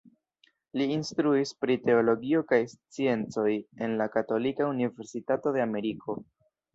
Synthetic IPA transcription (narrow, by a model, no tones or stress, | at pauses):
liːnstɾuispɾite̞o̞lo̞ɡio̞kajst͡sie̞nt͡so̞je̞nlakato̞likaunive̞ɾsitato̞de̞ame̞ɾikʰo̞